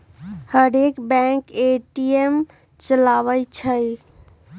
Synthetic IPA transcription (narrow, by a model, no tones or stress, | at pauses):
həɾekbɛ̃keʈiem | t͡ʃəlaʋəjt͡ʃʰəj